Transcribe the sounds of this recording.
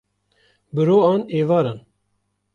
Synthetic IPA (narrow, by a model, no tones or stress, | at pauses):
bɨɾoːɑːneːvɑːɾan